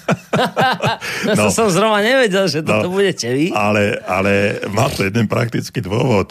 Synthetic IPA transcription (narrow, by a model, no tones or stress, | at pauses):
nɔsɔmzɾɔʊnaɲɛʋɛɟɛlʒɛt̪ɔɔt̪ɔbuɟɛcɛʋialɛa̰lɛmaːt̪ɔjɛd̪ɛnpɾa̰k̚t̪it͡skiːd̪ʊɔʋɔt̪